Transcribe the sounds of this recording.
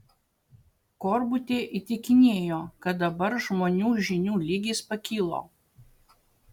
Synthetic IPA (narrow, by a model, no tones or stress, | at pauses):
kɔɾbʊt̪ʲeːʔiˑt̪ʲɪkʲɪnʲeːjoːkɐt̪̚d̪ɐbɐɾʒmoːnʲuːʒʲɪnʲuːlʲiːɡʲispɐkʲiːlˠo̰ː